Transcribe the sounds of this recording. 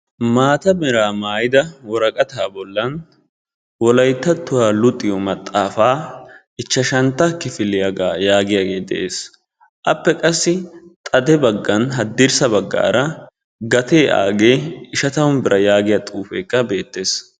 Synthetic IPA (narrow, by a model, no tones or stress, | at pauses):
maːt̪ɐmɛɾaːmaːjɪd̪ɐwɔɾɐkʼɐt̪aːbɔlːɐn | wɔlɐjt̪ːɐt̪ːʊwaːlʊt̪ʼːɪjɔmɐt̪ʼːaːfaː | ɪt͡ʃːɐʃɐnt̪ːɐkːɪfɪlɪjaɡaːjaːɡɪjaːɡe̞ːd̪ɛ̰ʔe̞ːs | ʔɐpːɛkʼɐsːɪt̪ʼɐd̪ɛbɐɡːɐnɦɐd̪ːɪɾsɐbɐɡːa̰ːɾɐ | ɡɐt̪e̞ːʔa̰ːɡe̞ːɪʃɐt̪ɐʊnbɪɾɐjaːɡɪjat̪ʼuːfḛːkːɐbe̞ːt̪ːe̞ːs